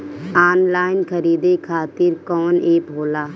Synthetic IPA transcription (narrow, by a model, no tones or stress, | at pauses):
aːnlaːɪnkʰəɾiːd̪ekʰaːt̪ɪɾkɔːneːpɦoːlaː